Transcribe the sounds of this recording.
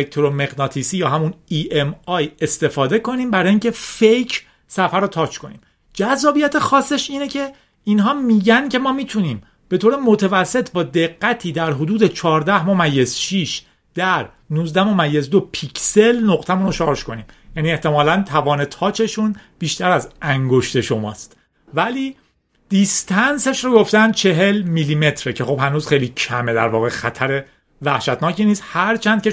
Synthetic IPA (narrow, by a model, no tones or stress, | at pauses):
ek̚t̪ʰoɾomeɣnɒːt̪ʰisiːjɒːɦæmuniʔemɒːje̞st̪e̞fɒːd̪e̞ko̞niːmbæɾɒːjiːŋce̞fejcʰ | sæfæɾot̪ʰɒːt͡ʃʰkʰo̞nḭːm | d͡ʒæzːɒːbijæt̪ʰexɒːsːe̞ʃiːnecʰe̞ | iːnɦɒːmiːɟæncʰe̞mɒːmiːt̪ʰuniːm | b̥e̞t̪oːɾemo̞t̪ʰevæsːe̞t̪ʰbɒːd̪e̞ɣːæt̪ʰiːd̪æɾɦod̪uːd̪et͡ʃʰɒːɾd̪æhmomæjːe̞z̥ʃiʃ | d̪̥æɾ | nuːzd̪æmomæjːezd̪opʰicʰselnoɣt̪ʰæmuːnoʃɒːɾʃko̞niːmjæniːe̞ht̪e̞mɒːlænt̪ʰævɒːne̞t̪ʰɒːt͡ʃʰe̞ʃunb̥iːʃt̪æɾæzæŋɡo̞ʃt̪e̞ʃo̞mɒ̰ːst̪ | væliː | d̪̥ist̪ʰænse̞ʃɾoɡo̞ft̪ænd̪̚t͡ʃʰe̞ɦe̞lmiːliːme̞t̪ʰɾecʰe̞xo̞b̥hænuːz̥xejliːcʰæme̞d̪æɾvɒːɣe̞xæt̪ʰæɾe | væhʃæt̪ʰnɒːcʰiːniːst̪hæɾt͡ʃʰænd̪kʲe